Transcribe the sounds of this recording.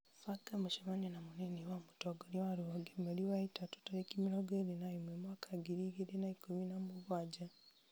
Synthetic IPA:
fakamuʃemanenamuniniwamutoɡoniwaɾuoɡemaliwaitatu̥talekimiɾoɡeɾinaimwemwakʰaɡiɾiɡiɾinaikuminamuβwaːd͡ʒa

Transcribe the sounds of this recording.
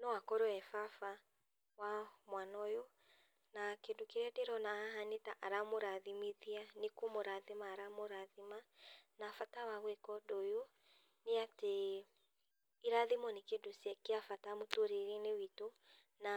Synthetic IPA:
nɔwakɔɾɔɛfafa | wamwanɔjo | nakedokeɾɛdeɾɔnaaɦanetaʔaɾamoɾaðimeðianekomoɾaðemaːɾamoɾaðimanafatawaɣwɛkɔdojo | neate | iɾaðemɔnekedosjɛkeafatamotoɾeɾenewito | na

